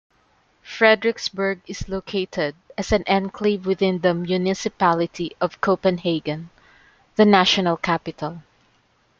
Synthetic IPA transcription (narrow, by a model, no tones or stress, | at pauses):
fɹɛd̪ɹɪksbəɹɡɪslokʰeɪt̪ʰɛd̚ɐsæ̃nʔɛ̃nkʰlivwɪðɪ̃nðəmjunɪsɪpalɪt̪ʰiʔɔv̥kʰoʊpɛ̃nɦeɪɡɨ̃n | ðənæʃɔnalˠkʰæpɪt̪ʰalˠ